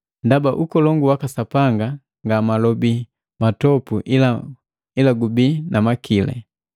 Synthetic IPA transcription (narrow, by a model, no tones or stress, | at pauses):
ndabaʔukɔlɔŋɡuwakasapaŋɡa | ŋɡamalɔbi | matɔpuʔila | ilaɡubinʔamakʰilɛ̰